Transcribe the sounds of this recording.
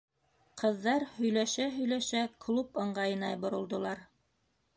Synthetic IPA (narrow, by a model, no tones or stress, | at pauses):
qɤ̆ðːɑɾhɵ̆jlæʃæɦɵ̆jlæʃæklˠupɤ̆ɴɢɑjɤ̆nɑjbŏɾŏlˠd̪ŏlˠɑɾ